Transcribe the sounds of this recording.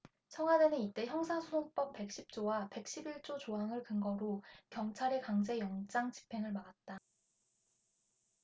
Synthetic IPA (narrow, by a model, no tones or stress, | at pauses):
t͡ɕʰʌŋɦwadenɯnit͈e̞çjʌŋsʰasʰunʰoŋ̚p͈ʌp̚p͈e̞k̚ɕ͈ip̚t͡ɕ͈owape̞k̚ɕ͈ibiɭt͡ɕ͈ot͡ɕoɦaŋɯɭkɯŋɡʌɾokjʌŋt͡ɕʰaɾe̞kaŋd͡ʑe̞jʌŋd͡ʑ͈aŋt͡ɕi̥pʰe̞ŋɯɭmaɡat̚t͈a